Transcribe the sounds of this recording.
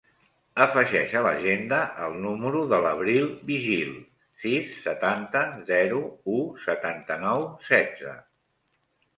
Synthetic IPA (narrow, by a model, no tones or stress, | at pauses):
əfəʒɛʃələ̰ʒend̪əʔəlˠnuməɾuðələβɾilˠbiʒilˠ | sisːət̪ant̪əzɛɾuusət̪ant̪ənɔwsɛdd͡zə̰